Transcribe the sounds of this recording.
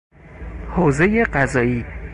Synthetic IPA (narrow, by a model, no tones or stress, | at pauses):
hoːze̞jeɢæzɒːiː